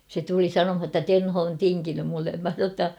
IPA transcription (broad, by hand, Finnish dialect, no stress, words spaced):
se tuli sɑnomhɑ tːɑ tenho on tiŋkinym mulːem mæ sɑ tːɑ